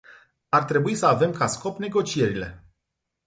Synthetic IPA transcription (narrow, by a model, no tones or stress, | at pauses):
art̪ɾe̞buisəave̞mkasko̞pne̞ɡo̞t͡ʃie̞ɾile̞